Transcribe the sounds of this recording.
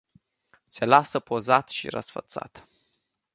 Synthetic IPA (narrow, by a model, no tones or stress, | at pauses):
se̞lasəpo̞zat̪ʃḭɾə̰sfə̰t̪sa̰t̪